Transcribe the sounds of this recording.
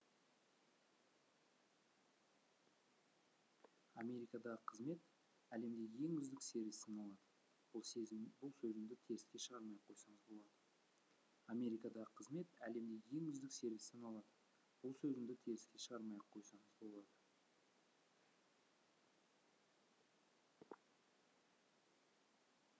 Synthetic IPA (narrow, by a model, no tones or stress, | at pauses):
ɑmʲe̞ɾijkɑd̪ɑʁəqʰəzme̞t̪ | æle̞md̪e̞ɡʲe̞ŋʏzd̪ɪkse̞ɾvisɪnolˠɑd̪ə | b̥ʊlˠbʊlˠsɵzɪŋd̪ɪt̪ʰe̞ɾɪskʲe̞ʃəʁɑɾmɑjqʰo̞jsɑɴəzbo̞lˠɑd̪ə | amʲe̞ɾijkɑd̪ɑʁəqʰəzme̞t̪æle̞md̪e̞ɡʲɪe̞ŋʏzd̪ɪkse̞ɾvisɪnɑlˠɑd̪ə | b̥ʊlˠsɵzɪŋd̪ɪt̪ʰe̞ɾɪskʲe̞ʃəʁɑɾmɑjqʰo̞jsɑɴəzbo̞lˠɑd̪ə